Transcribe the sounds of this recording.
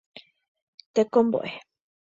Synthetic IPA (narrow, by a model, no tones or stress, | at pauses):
t̪ekombo̰ʔe